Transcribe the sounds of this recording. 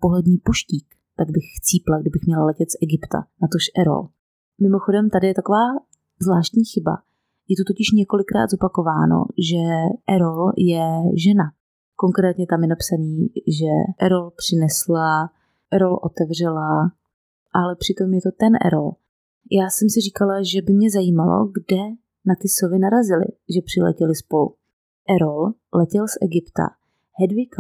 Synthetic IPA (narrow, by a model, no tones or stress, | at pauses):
poɦlɛdɲiːpuʃciːk | t̪aɡ̚bɪxt͡siːplaɡdɪbɪxmɲɛlalɛcɛt̪sʔɛɡɪpt̪a̰nat̪oʃʔɛɾo̰l | mɪmo̞xodɛmt̪adɪjɛt̪ako̞vaː | zlaːʃt̪ɲiːxɪba̰ | jɛt̪ut̪ocɪʃɲɛko̞lɪkɾa̰ːd̪zopakovaːno̰ʒɛʔɛɾoljɛʒɛna | ko̞ŋkɾɛːt̪ɲɛt̪amjɛnapsaniːʒɛʔɛɾolpr̝̥ɪnɛsla | ʔɛɾolʔot̪ɛvr̝ɛla | ʔalɛpr̝̥ɪt̪o̞mjɛt̪o̞t̪ɛnʔɛ̰ɾo̰l | jʔaːsɛmsɪr̝iːkalaʒɛbɪmɲɛzajiːmalo̞̰ɡdɛ | nat̪ɪsovɪnaɾazɪlɪ̰ʒɛpr̥ɪlɛ̰cɛlɪspolṵ | ʔɛɾol | lɛcɛlsʔɛɡɪpt̪a̰ | hɛdvɪka